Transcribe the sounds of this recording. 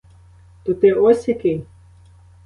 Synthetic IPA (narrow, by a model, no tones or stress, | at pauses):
t̪ut̪ɪɔsʲjɐkɪj